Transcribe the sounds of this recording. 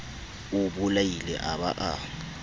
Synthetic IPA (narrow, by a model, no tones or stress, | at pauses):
uɓulajilɛ̰ʔaɓa̰ʔa